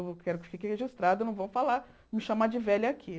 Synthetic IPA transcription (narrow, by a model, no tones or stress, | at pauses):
wkɛɾʊkɪ̥fikɪheʒist̪ɾad̪ʊnɐ̃w̃võw̃fala | mɪʃamad͡ʒɪvɛlʊakʰi